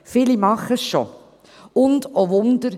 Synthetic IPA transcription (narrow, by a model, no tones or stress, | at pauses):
fɪlimɑχəsʃo | ʊndoʋʊnd̪əɾ